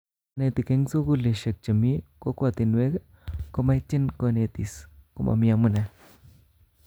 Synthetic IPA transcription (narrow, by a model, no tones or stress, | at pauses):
net̪ikeŋsoɡuleʃek̚t͡ʃɐmikokwat̪inwek | komajt͡ʃːinkonet̪ḭskomʔa̰miamunɛ